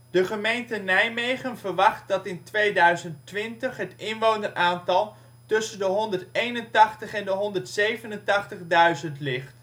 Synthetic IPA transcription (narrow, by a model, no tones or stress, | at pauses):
d̥əχəmejntənɛjmejχənvəɹʋɑχt̚dɑtɪntʋejdœɥzəntʋɪntəχɦətɪnʋownərʔaːntɑlˠ | tɵsəndəɦɔndəɹtejnəntɑχtəχɛndəɦɔndəɹtsejvənəntɑχtəχdœɥzəntlɪχt